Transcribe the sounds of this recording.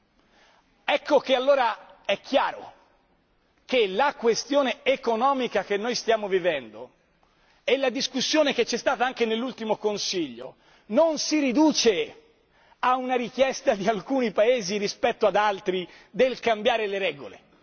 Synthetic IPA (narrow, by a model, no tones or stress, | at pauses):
ɛkʰːokealːoːɾaɛkʰːjaːɾo̰ | kelakwest̪joːneːkonɔːmikak̟enːojst̪jaːmovivɛnd̪o | ɛlːad̪iskusːjoːnek̟et͡ʃːɛst̪aːt̪aaŋkenelːult̪imokonsiʎːo̰ | nonsiɾid̪uːt͡ʃe | aunaɾikjɛst̪ad̪ialkuːnipaeːziɾispɛt̪ːoad̪alt̪ɾi | d̪elkambjaːɾeleɾɛːɡo̰lḛ